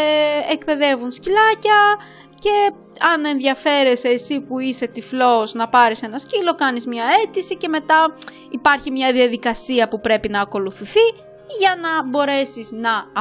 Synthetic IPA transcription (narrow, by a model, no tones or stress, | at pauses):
ekpe̞ðe̞vunscilɐcɐ | ce̞ | ɐne̞nðʝɐfe̞ɾe̞seːsipuise̞t̪iflo̞znɐpɐɾise̞nɐscilo̞kɐnizmɲɐe̞t̪isice̞me̞t̪ɐ | ipɐɾçimɲɐðiɐðikɐsiɐpupɾe̞pinɐːko̞luθiθi | ʝɐnɐbo̞ɾe̞siznɐ